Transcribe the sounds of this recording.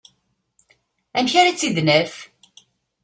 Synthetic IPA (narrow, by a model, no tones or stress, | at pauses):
æmçaɾat͡sːiðnæf